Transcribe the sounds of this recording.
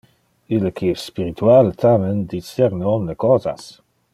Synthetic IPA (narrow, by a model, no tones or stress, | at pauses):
ilːəkʰiɛsːpiɾit̪ʰualt̪ʰamend̪it͡sːɛɾnɔnləkɔːza̰s